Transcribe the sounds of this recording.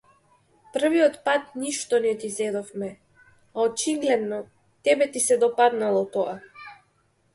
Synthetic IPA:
pr̩viɔt̪pat̪̚niʃt̪ɔnɛt̪izɛd̪ɔfmɛ | aɔt͡ʃiɡlɛd̪nɔ | t̪ɛbɛt̪isɛd̪ɔpad̪nalˠɔt̪ɔa

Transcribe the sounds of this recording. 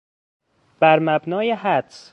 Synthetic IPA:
b̥æɾmæbnɒːjeɦæd̪s

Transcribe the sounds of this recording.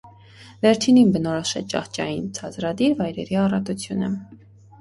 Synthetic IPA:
vɛɾt͡ʃʰininbənɔɾɔʃɛt͡ʃɑ̰χt͡ʃɑjint͡sʰɑt͡sɾɑd̪iɾvɑjɾɛɾiɑrɑt̪ut͡sʰjunə

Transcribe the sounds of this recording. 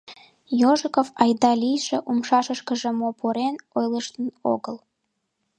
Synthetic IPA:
joʒə̆kofɑjd̪ɑlijʃĕʔumʃɑʃəʃkə̆ʒĕmopʰoɾenojləʃt̪əno̰ɡəl

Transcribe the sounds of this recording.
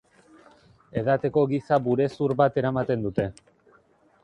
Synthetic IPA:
e̞ð̞at̪e̞ko̞ɣisabuɾe̞suɾβat̪e̞ɾamat̪e̞nd̪ut̪e̞

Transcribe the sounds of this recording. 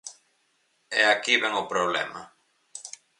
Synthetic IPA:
ɛakiβɛŋʊpɾoβlɛ̰ma

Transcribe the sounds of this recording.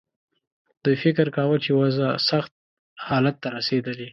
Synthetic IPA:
d̪̥ujfɪkɾkawət͡ʃewazasaxt̪̚ | hɑlat̪ːaɾased̪əli

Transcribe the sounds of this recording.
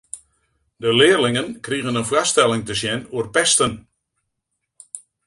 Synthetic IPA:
dəlɪːrlɪŋənkriɣənənfwastɛlˠɪŋtəsjɛnuərpɛstən

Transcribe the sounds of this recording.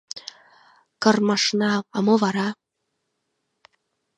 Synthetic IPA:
kɤ̆rmɤ̆ʃnɑːmovɑɾɑ

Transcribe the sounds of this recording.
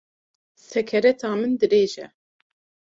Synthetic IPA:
sɛkʰɛɾɛt̪ʰɑːmɨnd̪ɨɾeːʒɛ

